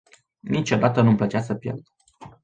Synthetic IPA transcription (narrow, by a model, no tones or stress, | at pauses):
nit͡ʃo̞d̪at̪ənumplət͡ʃasəpjḛld̪